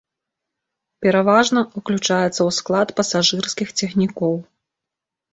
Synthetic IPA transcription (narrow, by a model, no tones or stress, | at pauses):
pʲɛɾavaʐnɐuklʲut͡ʂajɛt̪sːɐwsklˠat̪pɐsaʐɨrskʲixt͡sʲɛxnʲikɔw